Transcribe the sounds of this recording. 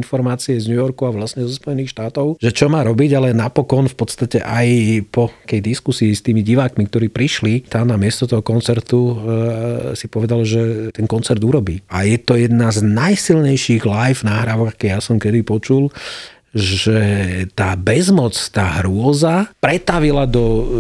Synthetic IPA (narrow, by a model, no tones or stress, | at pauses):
nfɔɾmaːt͡siɛzɲujɔɾkuaʋlasɲɛzɔspɔjɛniːxʃt̪aːt̪ɔʊʒ̥ɛt͡ʃɔmaːɾɔbiɟalɛnapɔkɔnfpɔt̪st̪acɛ̰ʔajpɔkɛjd̪iskusiːst̪iːmiɟiʋaːkmik̚t̪ɔɾiːpɾiʃlit̪amnamɪɛst̪ɔt̪ɔɦɔkɔnt͡sɛɾt̪u | sipɔʋɛd̪alʒɛt̪ɛnkɔnt͡sɛɾd̪uɾɔbiːa̰jɛt̪ɔjɛd̪naznajsilɲɛjʃiɣlajfnaːɦɾaːʋɔɡakɛjasɔmkɛd̪ipɔt͡ʃul | ʒɛt̪aːbɛzmɔt͡st̪aːɦɾʊɔzapɾɛt̪aʋilad̪ɔ